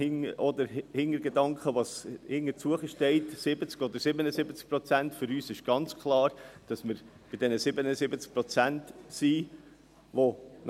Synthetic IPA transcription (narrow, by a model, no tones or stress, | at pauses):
ɪŋʔɔd̪əɾhɪŋəɾɡedɑŋkχəʋɑshɪŋːəɾt͡suəχəʃtɛɪtsɪbət͡skɔd̪əɾsɪbənəsɪbət͡sk̚pɾɔt͡sæntfʏɾyːsɪʃɡ̥ɑnt͡skʰχlɑːɾd̥ɑsməɾ | b̥ɪdɛnəsɪbənəsɪbət͡sk̚pɾɔt͡sæntsiː | ʋon